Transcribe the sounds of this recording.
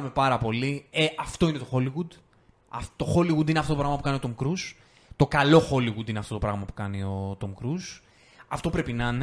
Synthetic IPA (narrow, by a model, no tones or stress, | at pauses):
me̞pɐɾɐpo̞lieʔɐft̪o̞ine̞t̪oxo̞liɣud̪ | ɐ̰ft̪o̞xo̞liɣud̪ineɐft̪otopɾɐɣmɐp̬ukɐnio̞t̪omkɾus | t̪o̞kɐlo̞xo̞liɣud̪ineɐft̪o̞t̪o̞pɾɐɣmɐpu̥kɐnio̞t̪omkɾus | ɐft̪o̞pɾe̞pinɐn